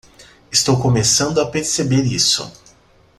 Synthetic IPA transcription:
ɪst̪owkomesɐ̃nd̪ʊapeɾsebeɾisʊ̰

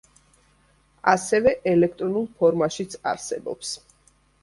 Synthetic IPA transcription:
asɛvɛʔɛlɛkʰt̪ʼɾɔnulˠpʰɔɾmaʃit̪sʰa̰ɾsɛbɔ̰ps

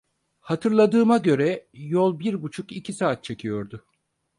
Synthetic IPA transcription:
hat̪ʰɯɾlˠad̪ɯːmaɟø̞ɾɛjolˠbiɾbut͡ʃʰukicʰisaːt̪̚t͡ʃʰe̞cʰijo̞ɾd̪ʊ

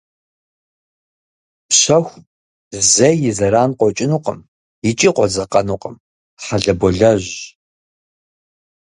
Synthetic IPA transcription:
pɕɐxʷ | zɐjɪzɐɾaːnqʷɔt͡ʃʼɪnuːqə̰m | jɪt͡ʃʼiːqʷɔzɐqɐnuːqʼəm | ħaɮɐbɔɮɐʑ

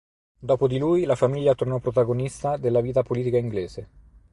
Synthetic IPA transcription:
d̪ɔːpod̪iluːjlafamiʎːat̪ornɔpːɾot̪aɡonist̪ad̪elːaviːt̪apoliːt̪ikaiŋɡleːze

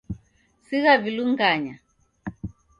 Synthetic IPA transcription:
siɣaviluŋɡaɲa

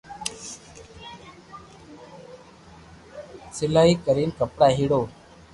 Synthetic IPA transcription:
sɪlaiːkəɾiːnkəpɽaɦiɽoː

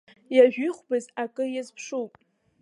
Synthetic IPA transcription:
jaʒᶣʷɪχʷbɨzakʼɨjazpʰʂupʼ

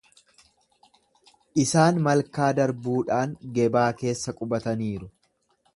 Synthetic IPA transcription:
ʔɪsaːnmɐlkaːd̪ɐɾbuːᶑaːŋɡɛbaːke̞ːsːɐkʼʊbɐt̪ɐniːɾʊ

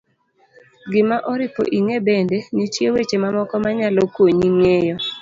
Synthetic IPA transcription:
ɡɪmaʔɔɾɪpo̰ʔiŋebendenitjewet͡ʃemamɔkɔmaɲalɔkwoɲiŋejɔ

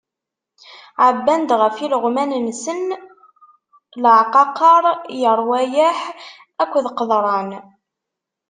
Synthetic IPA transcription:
ʕəbːænd̪ʁəfiləʁmænnsən | ləʕqɑqɑɾˤjəɾˤwæjəħ | ækʷːðqəðˤɾˤɑn

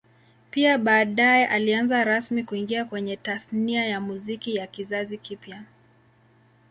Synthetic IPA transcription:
piaɓaːɗajɛʔalianzaɾasmikuiŋɡiakwɛɲɛtasniajamuzikijakizazikipja

